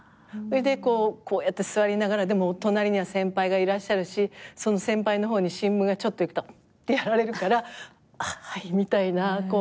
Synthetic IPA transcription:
ed̪e̞ko̞ːkʰo̞ːjat̪ːe̞sɨβaɾʲinaɡaɾad̪e̞mo̞t̪o̞naɾʲiɲ̟iβasẽ̞mpaiɡaiɾaɕːaɾɯ̟ɕiso̞no̞sẽ̞mpaino̞ɦo̞ːɲ̟iɕĩmbɯ̟̃ŋɡat͡ɕo̞t̪ːo̞ikɯ̟̥t̪o | t̪ːejaɾaɾe̞ɾɯ̟kaɾa | aimʲit̪ainako̞

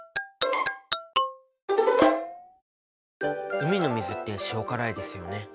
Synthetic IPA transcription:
ɯ̟mʲino̞mʲizɨt̪ːe̞ɕiokaɾaid̪e̞sɨjo̞ne̞

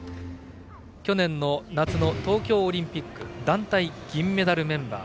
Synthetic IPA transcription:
kʲo̞nẽ̞nːo̞nat͡sɨno̞t̪o̞ːkʲo̞ːɾʲĩmpʲikːɯ̟d̪ãnt̪aiɡ̥ʲĩmːe̞d̪aɾɯ̟mẽ̞mba̰ː

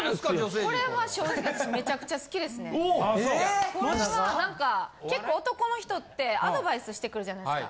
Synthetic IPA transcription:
kad͡ʒoseko̞ɾe̞βaɕo̞ːʑik̪at͡ɕime̞t͡ɕakɯ̟̥t͡ɕasɨ̥kʲid̪e̞sɨne | ko̞ɾɾeβanãŋkake̞kːo̞ːt̪o̞ko̞no̞çi̥t̪o̞t̪ːe̞ad̪o̞baisɨɕi̥t̪e̞kɯ̟ɾɯ̟ʑanaika̰

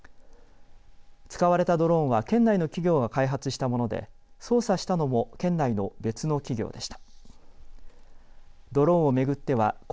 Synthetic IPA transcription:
t͡sɨ̥kaβaɾe̞t̪ad̪o̞ɾõ̞ɰ̃βakẽ̞nːaino̞kʲiɡʲo̞ːɡakaiɦat͡sɨɕi̥t̪amo̞no̞d̪ḛ | so̞ːsaɕi̥t̪ano̞mo̞kẽ̞nːaino̞be̞t͡sɨno̞kʲiɡʲo̞̰ːd̪e̞ɕi̥t̪ḁ | d̪o̞ɾõ̞ɰ̃o̞me̞ɡɯ̟t̪ːe̞βa̰k

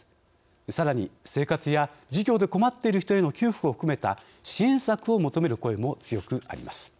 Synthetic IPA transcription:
saɾaɲ̟ise̞ːkat͡sɨjad͡ʑiɡʲo̞ːd̪e̞ko̞mat̪ːe̞iɾɯ̟çi̥t̪o̞e̞no̞kʲɨːɸɯkɯo̞ɸɯ̥kɯme̞t̪a̰ | ɕiẽ̞ɰ̃sakɯ̟o̞mo̞t̪o̞me̞ɾɯ̟ko̞e̞mo̞t͡sɨjo̞kɯ̟a̰ɾʲḭmʔasɨ̥

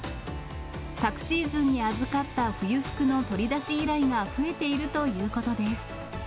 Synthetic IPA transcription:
sakɯ̥ɕiːzɨ̃ɲ̟ːiazɨkat̪ːaɸɯ̟jɯ̟ɸɯ̥kɯ̟no̞t̪o̞ɾʲid̪aɕiiɾaiŋaɸɯ̟e̞t̪e̞iɾɯ̟t̪o̞jɯ̟ːko̞t̪o̞d̪e̞sɨ̥

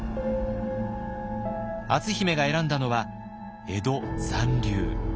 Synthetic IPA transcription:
at͡sɨçime̞ɡae̞ɾãnd̪ano̞βa | e̞d̪o̞sãnɾʲɨː

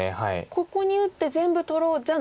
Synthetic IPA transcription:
ehaḭkʰo̞ko̞ɲ̟iɯ̟t̪ːe̞zẽ̞mbɯ̟t̪o̞ɾo̞ːd͡ʑa

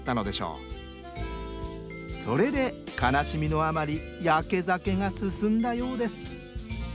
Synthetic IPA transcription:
t̪ːano̞d̪e̞ɕo̞̰ː | so̞ɾe̞d̪e̞kanaɕimʲino̞amaɾʲi | jake̞zake̞ŋasɨsɨ̃nd̪ajo̞ːd̪e̞sɨ̥

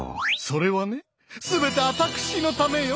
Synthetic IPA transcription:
so̞ɾe̞βane̞ | sɨbe̞t̪e̞at̪akɯ̟̥ɕino̞t̪ame̞jo

